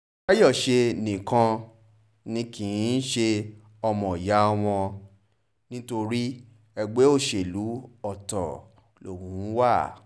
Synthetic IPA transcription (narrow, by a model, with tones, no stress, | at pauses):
ka˦jɔ˦˨ʃe˧nĩ˨kã˧ | nĩ˧kĩ˨ĩ˨˦n̩˦ʃe˧ | ɔ˧mɔ̃˨ja˨˦ɔ˧w̃ɔ̃˧ | nĩ˦to˧ɾi˦ | ɛ˧ɡ͡be˦o˦˨ʃe˨lu˨˦ɔ˦˨tɔ̰˨ | lo̰˨wũ˨˦wa˦˨